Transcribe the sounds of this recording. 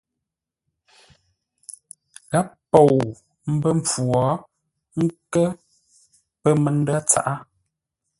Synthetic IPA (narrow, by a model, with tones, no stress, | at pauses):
ɣa˦ppːo˨w | m̩˦bə˦m˨p͡fu˨ɔː˨˦ | ŋ̩˦kə˦ | pə˦mə˨n̩˦da˦t͡sa̰˦˨ʔa˦